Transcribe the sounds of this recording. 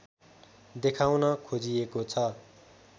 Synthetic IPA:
d̪ekʰawnʌkʰod͡zijekot͡sʰʌ

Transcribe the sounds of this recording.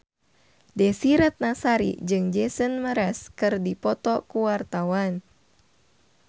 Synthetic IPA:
dɛsiɾɛt̪̚nasaɾḭd͡ʒɨŋd͡ʒɛsənməɾɛskɨrdipɔt̪ɔkuwart̪awan

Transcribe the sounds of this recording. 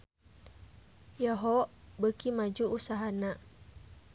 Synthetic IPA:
jaɦɔʔbəkimad͡ʒuʔusaɦanaʔ

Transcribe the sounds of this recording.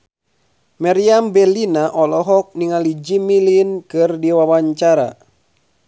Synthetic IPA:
maɾiambɛlinaʔɔlɔɦɔk̚niŋalid͡ʒimilinkɨrdiwawaɲt͡ʃaɾa

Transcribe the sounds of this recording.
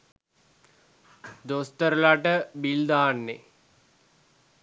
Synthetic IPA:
d̪ost̪əɾəlaʈəbild̪aːnːḛ

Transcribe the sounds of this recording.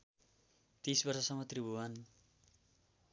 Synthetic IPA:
t̪isbʌrsʌsʌmʌt̪ribʱuwan

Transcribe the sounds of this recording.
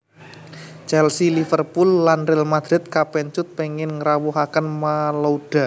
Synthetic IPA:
t͡ʃɛlsilifərpulːanrɪlmad̪̥ɾɪt̪̚kapɛnt͡ʃʊt̪̚peŋɪnŋəɾawuɦakənmaloɖ̥a

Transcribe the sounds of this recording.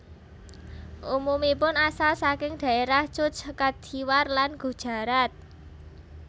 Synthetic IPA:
ʔumumipʊnasalsakɪŋd̥ä̤eɾaht͡ʃʊt͡ʃkad̪̥ʰiwarlanɡ̥ṳd̥ʒ̥a̤ɾat̪̚

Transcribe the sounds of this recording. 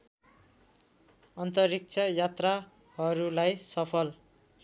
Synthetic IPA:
ʌnt̪ʌrik̚t͡sʰʌjat̪ra | ɦʌɾulajsʌpʰʌl

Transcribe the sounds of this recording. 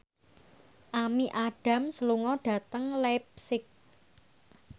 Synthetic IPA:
ʔamiʔaɖ̥ä̤msəluŋɔɖ̥ä̤t̪əŋlɛp̚sɪk̚

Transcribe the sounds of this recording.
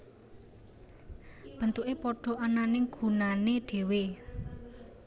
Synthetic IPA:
b̥ə̤nt̪uʔepɔɖ̥ɔ̤ananɪŋɡ̥ṳnaneɖ̥e̤we

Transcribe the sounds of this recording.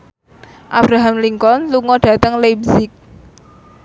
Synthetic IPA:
ʔab̥ɾaɦamliŋkɔnluŋɔɖ̥ä̤t̪əŋlebzɪk̚

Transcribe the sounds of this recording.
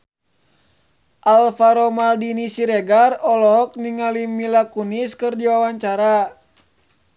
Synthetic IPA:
ʔalfaɾɔmaldinisiɾɛɡarɔlɔɦɔk̚niŋalimilakuniskɨrdiwawaɲt͡ʃaɾa

